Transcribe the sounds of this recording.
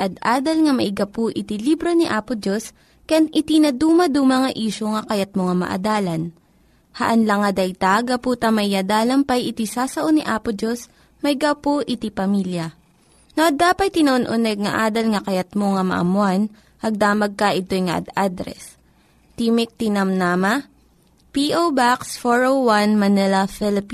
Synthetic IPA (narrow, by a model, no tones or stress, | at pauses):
ʔɐd̪ʔaːd̪ɐlŋɐmɐʔɪɡɐpoʔɪt̪ilibɾoniʔaːpod͡ʒos | kɐjanʔɪt̪inɐd̪uːmɐd̪umɐŋɐʔiːʃoŋɐkɐjɐt̪̚moŋɐmɐ̰ʔɐ̰d̪aːlɐn | hɐ̰ʔɐnlɐŋːɐd̪ɐjt̪aɡɐpuːt̪ɐmɐʔad̪aːlɐmpɐjʔɪt̪isaːsɐʔoniʔaːpod͡ʒos | mɐʔɪɡapoʔɪt̪ipɐmiljɐ | noʔɐd̪aːpɐj̪̚t̪ɪnɐʔonʔʊnɛɡ̚ŋɐ̰ʔaːd̪ɐlŋɐkɐjɐt̪̚moŋɐmɐ̰ʔɐ̰mʊan | hɐɡ̚d̪aːmɐɡ̚kɐʔɪt̪ojŋɐʔɐ̰d̪ad̪ɾɛ̰s | t̪iːmɪk̚t̪ɪnɐmnamɐ | piʔowbaksfoɹowwanmɐnɛlɐfɛlɪpi